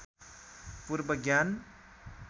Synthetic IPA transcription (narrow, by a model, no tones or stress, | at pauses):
puɾbəɡjan